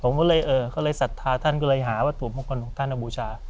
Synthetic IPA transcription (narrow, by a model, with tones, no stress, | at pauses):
pʰo˩˦mkʰwlɤː˧jʔɤː˧kʰa˧˥˩lɤ˧jsa˨˩t̪ʰːaː˧t̪ʰa˦˥˩nkʰa˥˩lɤː˧jɦaː˩˦waː˧˥˩t̪u˨˩mʰu˦˧˥kʰo˧nkʰɔ˩˦ŋt̪ʰa˥˩nːʔa˧buː˧t͡ɕʰaː˧